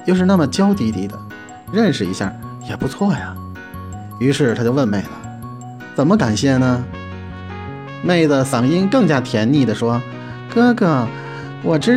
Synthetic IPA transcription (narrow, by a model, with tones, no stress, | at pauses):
jo˥˧ʂɻ̩˥˧na˥˩mə˩t͡ɕjɑ˥ʊt̪i˧˥t̪i˧˥d̪ə̰˧ | ɻə˥˧nʂɻ̩˨˩ḭ˧˥ɕja̰˥˩jɛ˨˩pu˧˥t͡sʰwɔ˥˩jɐ˩ | y˧˥ʂɻ̩˥˩t̪ʰa˥t͡ɕjo˥˧ʊwə˥˧nme˥˩ɪlə˩ | t͡sə˨˩nmə˦ka˨˩nɕjɛ˥˩nə˩ | me˥˩ɪd̪ə˩sɑ˨˩ŋi˥nkɤ˥˩ŋt͡ɕja˥t̪ʰjɛ˧˥nni˥˩d̪ə˩ʂwɔ˥ | kɤ˥ɡə˥˩ | wʔɔ˨˩ʈ͡ʂɻ̩˥